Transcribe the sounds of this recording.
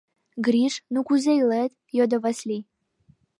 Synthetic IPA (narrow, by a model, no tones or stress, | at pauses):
ɡɾʲiʂnukuzejlet̪ | jod̪ovasʲlʲi